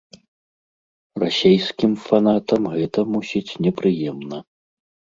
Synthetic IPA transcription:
rasʲejskʲimfanat̪ɐmɣɛt̪ɐmusʲit͡sʲnʲɛpɾɨjɛmnɐ

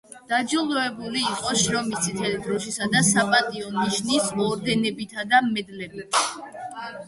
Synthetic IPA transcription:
d̪̥ad͡ʒilˠɔɛbuliːqʼɔʃɾɔmisʰit̪ʰɛlid̪ɾɔʃisad̪asapʼat̪ʼiɔniʃnisɔɾd̪ɛnɛbit̪ʰad̪amɛd̪lɛbitʰ

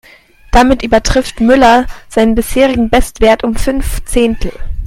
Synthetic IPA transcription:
d̥amɪtʔyːbɐtʁ̥ɪftmʏlɐz̥aɪnənbɪsheːʁ̞ɪɡŋ̩bɛstv̥eːɐtʊmfʏnft͡seːntʰl̩

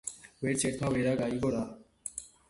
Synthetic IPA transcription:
weɾt͡ɕeɾt̪ʰabeɾaɡaiɡoɾa

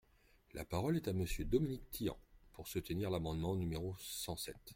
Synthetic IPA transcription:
lʔa̰paʁɔlɛt̪aməsjød̪ɔminik̚t̪ʰijɑ̰̃puʁsut̪əniʁlamɑ̃d̪mɑ̃nymeʁosɑ̃sɛt̪

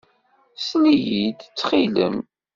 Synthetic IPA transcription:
snijid̪t͡sːχilə̰m

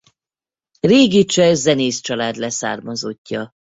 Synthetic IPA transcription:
reːɡit͡ʃɛzɛneːst͡ʃɒlaːd̪lɛsa̰ːrmɒzo̞cːɒ

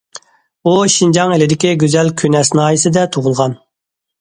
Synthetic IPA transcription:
uʃind͡ʒɑŋelɪd̪ɪkʲiɡʲøzɛlkʲʰynɛsnɑːjisɪd̪ɛt̪ʰoʁʊlˠʁɑn

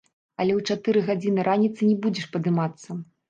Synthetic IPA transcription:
ɐlʲɛwt͡ʂat̪ɨɾɨɣad͡zʲinɨɾʔanʲit̪sɨnʲɛbud͡zʲɛʂpɐd̪ɨmat̪sːɐ

